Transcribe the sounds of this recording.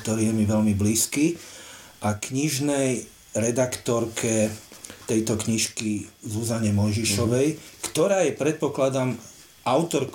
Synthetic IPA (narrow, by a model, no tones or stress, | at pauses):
t̪ɔɾiːjɛmiʋɛlmibliːski | ʔakɲiʒnɛj | ɾɛd̪akt̪ɔɾkʰɛt̪ɛjt̪ɔkɲiʃkizuzaɲɛmɔjʒiʃɔʋɛjkt̪ɔɾaːjɛpɾɛt̪̚pɔklad̪am | ʔaʊt̪ɔɾk